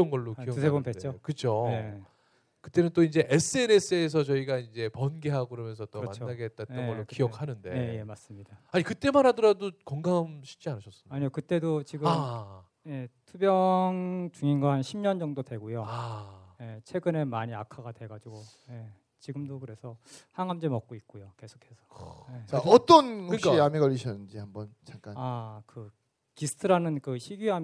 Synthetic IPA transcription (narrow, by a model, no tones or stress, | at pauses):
ʌnɡʌɭːokiusʰebompet͡ɕ͈okɯt͡ɕʰoe | kɯ̥t͈e̞nɯnt͈oind͡ʑe̞ʔes͈ʰɯe̞ne̞s͈ʰɯes̬ʰʌt͡ɕʌiɡaind͡ʑe̞pʌnɡeɦaɡɯɾʌmjʌnsʰʌt͈omant͡ɕoːaɡeɦet̚t͈at͈ʌnɡʌɭːokijʌk̚ʰanɯnde̞jejemas͈ɯmɲidaaɲikɯt͈e̞manɦadʌɾadokʌŋɡamɕʰi̥k̚t͡ɕ͈ianɯɕʰʌs͈ɯmaɲiokɯt͈e̞dot͡ɕiɡɯm | jetʰubjʌŋt͡ɕuŋinɡaɦanɕʰimɲʌnd͡ʑʌŋdodwe̞ɡojoaje̞t͡ɕʰwe̞ɡɯne̞maɲiakʰaɡadwe̞ɡad͡ʑiɡo | je̞ | t͡ɕiɡɯmdokɯɾe̞sʰʌhaŋɦamd͡ʑemʌk̚k͈oit̚k͈ojoke̞sʰo̥kʰe̞sʰʌ̥jet͡ɕaʌt͈ʌnɯkaiameɡʌʎːiɕʰʌnːɯnd͡ʑihambʌnt͡ɕaŋk͈anakɯ | kisʰɯ̥tʰɯɾanɯnkɯɕʰiɡiam